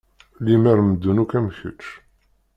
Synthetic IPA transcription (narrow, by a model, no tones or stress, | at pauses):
limæɾməd̪ːunukæmçə̰t͡ʃː